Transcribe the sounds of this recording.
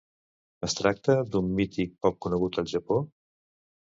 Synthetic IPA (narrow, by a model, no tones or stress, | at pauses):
əst̪ɾak̚t̪əd̪umːit̪ik̚pɔk̚kːunəɣ̞ut̪əlˠʒəpo